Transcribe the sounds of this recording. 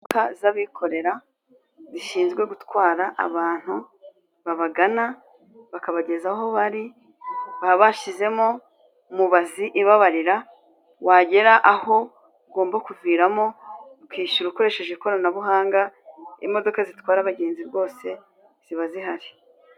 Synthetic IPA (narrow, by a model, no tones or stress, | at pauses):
kazaβikʰo̞ɾe̞ɾa | ziʃiːnzɡwe̞ɡutwaːɾaʔa̰βaːn̥hu | βaβaɡana | βakaβaɟe̞zaho̞βaɾi | βaβaʃize̞mo̞ | muβaziʔiβaβaɾiɾa | waɟe̞ɾaʔaho̞ | ɡo̞ːmbakuvwiːɾamo̞ | kwiːʃuɾuko̞ɾe̞ʃe̞ʒekoɾanaβuɦaːŋɡaḭmo̞do̞kazitwaːɾaβaɡe̞ːnziɾɡo̞ːse̞ | z̥iβaziɦaɾi